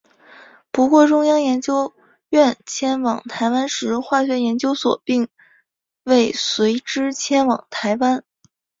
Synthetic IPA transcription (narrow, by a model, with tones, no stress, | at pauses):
pu˧˥kwɔ˥˩ʈ͡ʂʊ˥ŋjɑ˥ŋjɛ˧˥nt͡ɕjo˥ʊ | ɥɛ˥˩nt͡ɕʰjɛ˥nwɑ˨˩ŋt̪ʰa˧˥ɪwa˥nʂɻ̩˧˥xwa˥˩ɕɥɛ˧˥jɛ˧˥nt͡ɕjo˥ʊswɔ̰˨˩pi˥˩˧ŋ | we˥˩ɪswe˧˥ɪʈ͡ʂɻ̩˥t͡ɕʰjɛ˥nwɑ̰˨˩ŋt̪ʰa˧˥ɪwa˥n